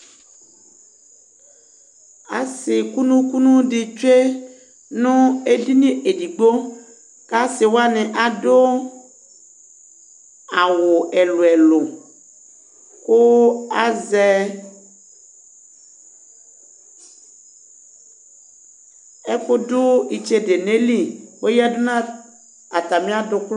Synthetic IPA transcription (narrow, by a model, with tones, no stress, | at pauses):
a̰˨sɪ˨ku˦nũ˦ku˦nũ˦ɖi˨t͡ʃe˦ | nũ˦e˦di˦nĩ˦ʔe˨di˨ɡ͡bo˦ | ka˦sɪ˨wo˦a˦nɛ̃˨ʔa˨do˦ | a˨wo˨e˨lo˨ɛ˨lo˨ | ko˦a˨zɛ˦ | e˦ɸo˦do˦i˨t͡ʃe˦de˨ne˦li˦wo˦ja˦do˦nã˦ | a˨t̪a˨mĩ˦a˦do˨kl